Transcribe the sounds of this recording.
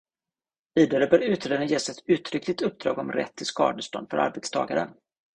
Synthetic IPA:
viːd̪aɾəbœːɾʉ̟ːt̪ɾed̪ənjeːsɛt̪ʉ̟ːt̪ɾʏklɪt̪ɵp̚d̪ɾɑ̰ːɡɔmɾɛ̰t̪ʰːɪlskɑ̰ːd̪əʂt̪ɔ̰nd̪fœɾʔa̰ɾbɛt̪st̪ʰɑ̰ːɡaɾə̰n

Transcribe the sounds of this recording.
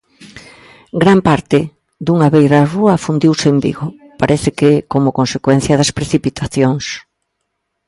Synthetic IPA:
ɡɾampaɾt̪ɪ | d̪uŋaβejɾaruɐfund̪iwsembḭɣʊ | paɾʔɛθɪkɪkomʊkonsekwɛn̟θjɐðɐspɾeθipit̪ʰaθjoŋs

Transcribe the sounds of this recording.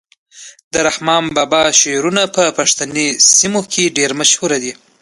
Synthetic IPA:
d̪əɾahmɑnbɑbɑʃeɾunapəpaʂt̪anesimokʰeɖeɾmaʃhuɾad̪i

